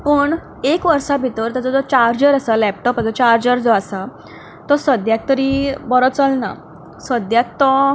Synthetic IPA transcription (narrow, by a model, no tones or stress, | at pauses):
pəːɳ | ekʋəɾʂabʱit̪əɾt̪ad͡zɔd͡zɔt͡ɕaɾɾd͡ʑəɾəsalɛp̚ʈɔpət͡sət͡ɕaɾd͡ʑəɾd͡zɔasa | t̪ɔsəd̪jak̚t̪əɾibɔɾɔt͡səlna̰ | səd̪jak̚t̪ɔ